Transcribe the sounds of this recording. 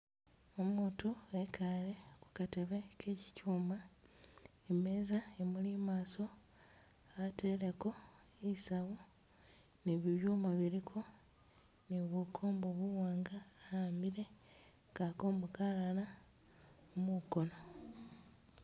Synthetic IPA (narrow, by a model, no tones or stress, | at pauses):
omuːtue̞kʰale̞ku̥kate̞βe̞kʰe̞ci̥cuːma | eme̞zaemulimaːso̞ | ate̞le̞ko̞ | isaβu | niβiβjumaβiɾikʰo̞ | niβukʰo̞ːmboβuwaːŋɡaːamiɾe̞ | kako̞ːmbokalala | muko̞no̞